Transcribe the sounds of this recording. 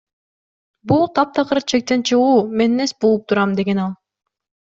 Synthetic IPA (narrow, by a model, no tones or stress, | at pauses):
bulˠt̪ʰɑp̚t̪ɑqʰəɾt͡ʃʰe̞k̚t̪e̞nt͡ʃʰɯʁuːme̞nnesbolˠup̚t̪ʰuɾɑmd̪e̞ɡe̞nɑlˠ